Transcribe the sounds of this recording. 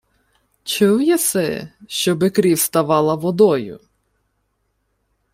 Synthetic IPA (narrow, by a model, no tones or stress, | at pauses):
t͡ʃɔwjɛsɛ̰ʃt͡ʃɔbɪkɾʲiwst̪ɐʋɑlˠɐʋɔd̪ɔjʊ̰